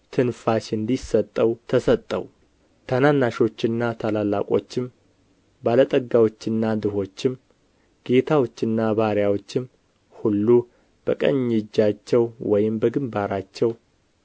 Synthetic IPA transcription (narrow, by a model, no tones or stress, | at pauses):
t̪ʰɨnfaʃɨnd̪isət̪ʼːəwt̪ʰəsət̪ʼːə̰w | t̪ʰənanːaʃo̞t͡ʃːɪnːat̪ʰalalːa̰kʼo̞̰t͡ʃːɪm | balət̪ʼəɡawo̞t͡ʃːɨnːad̪ɨho̞t͡ʃːɪm | ɡ̥e̞t̪ʰawo̞t͡ʃːɨnːaβaɾjawo̞t͡ʃːɪm | hulːu | b̥əkʼə̰ɲːɪd͡ʒːat͡ʃːɛwwɔjɪmbəɡɨmbaɾat͡ʃːɛw